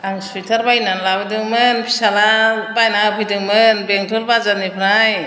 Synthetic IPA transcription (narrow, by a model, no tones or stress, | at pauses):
aŋsujtʰaɾbajnanlawdɯŋmɯnpʰi̥salabajnapʰɯjdɯŋmɯnbeŋtʰulbazanipʰɾaj